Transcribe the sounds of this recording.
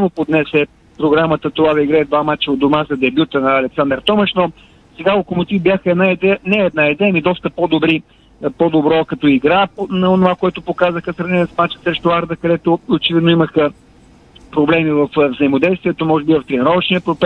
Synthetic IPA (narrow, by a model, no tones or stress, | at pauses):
mopod̪nɛsɛ | pɾoɡɾamət̪ət̪ovad̪ɐiɡɾaɛd̪vamat͡ʃɛod̪omazɐd̪ɛbjut̪ənɐɐlɛksand̪əɾt̪ɔməʃnɔ | sɛɡaokomʊt̪ivbʲjaxəɛd̪naid̪ɛjənɛːd̪naid̪ɛjəmid̪ɔst̪əpod̪obɾi | pod̪obɾɔkɐt̪ɔiɡɾapnɐonovakoɛt̪ʊpokazəxəsɾɐvnɛnɛsmat͡ʃɛ̥sɾɛʃt̪oaɾd̪əkɐd̪ɛt̪oot͡ʃɛvid̪noiməxə | pɾoblɛmivɐfvzɐimod̪ɛjst̪viɛt̪omɔʒɛbivɐft̪ɾɛnɛɾɔvəʃnijəpɾopɛ